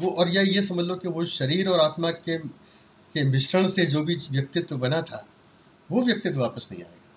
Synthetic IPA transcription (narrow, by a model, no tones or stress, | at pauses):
ʋoʔɔːɾjɛjes̬ɐməd͡ʒlokeʋoʃɐɾiːɾɔːɾaːt̪make | keʋɪʃɾəɽ̃sed͡ʒoːbʱiʋjɐk̚t̪ɪt̪ʋbɐnat̪ʰa̰ː | ʋoʋjɐk̚t̪ɪt̪̬ʋaːpəsnɐ̰ɦḭ̃a̰ːeːɡa